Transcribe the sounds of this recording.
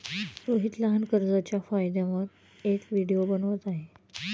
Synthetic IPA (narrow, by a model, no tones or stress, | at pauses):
ɾoɦit̪ləɦankəɾd͡zat͡ɕjafajd̪ãʋəɾ | ekʋiɽijobənʋət̪aɦe